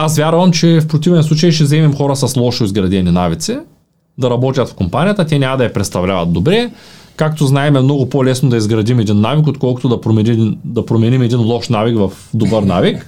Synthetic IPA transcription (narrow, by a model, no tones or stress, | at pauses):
asvʲjaɾvɐmt͡ʃɛfpɾot̪ivɛnslˠut͡ʃɐjʃɛzɛmimxɔɾɐsɐslˠɔʃoizɡɾɐd̪ɛninavit̪sɛ | d̪ɐɾɐbɔt̪ʲjɐt̪fkompanʲijɐt̪ət̪ʲɛnʲamɐd̪ɐjɐpɾɛt̪st̪ɐvlʲavɐt̪̚d̪obɾɛkakt̪oznaɛmɛmnɔɡʊpolɛsnod̪ɐizɡɾɐd̪imɛd̪inːavik̬ot̪kɔlˠkʊ̥t̪ʊd̪ɐpɾomɛid̪ɐpɾomɛnimɛd̪inlˠɔʃnavikvɐfd̪obəɾna̰vik